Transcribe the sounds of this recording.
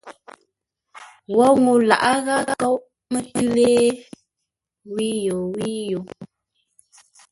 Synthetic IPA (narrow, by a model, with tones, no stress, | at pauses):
wɔ˦ŋu˨la̰˨ʔa˦ɣa˦ɔ˦w | mə˦ə˦leː˦ | wi˦jo˨wi˦jo˨